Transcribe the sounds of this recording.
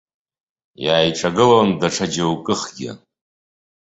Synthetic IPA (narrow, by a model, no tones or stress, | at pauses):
jaːjʈ͡ʂʼaɡɨlondaʈ͡ʂʰad͡ʒawkʼɨχɡʲɪ̰